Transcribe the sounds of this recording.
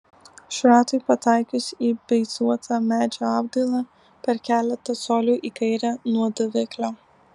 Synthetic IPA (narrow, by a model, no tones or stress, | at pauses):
ʃɾɑːt̪ʊɪpɐt̪ɑˑɪkʲʊsiːbʲɛɪsuɔt̪ʰɑmʲæːd͡ʒʲoːɑːbd̪ʲɐlˠɑ | pʲɛɾkʲæːlʲɛt̪ɐsoːlʲuːʔiːkɐɪɾʲænuɔd̪ʊʋʲɪklʲoː